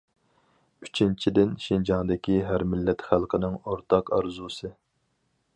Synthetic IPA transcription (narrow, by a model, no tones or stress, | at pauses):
yt͡ʃʰint͡ʃʰid̪ɪnʃind͡ʒɑŋd̪ɪkʲiɦæɾmɪlːɛt̪χælˠqʰənɪŋoɾt̪ʰɑqɑɾzusɨ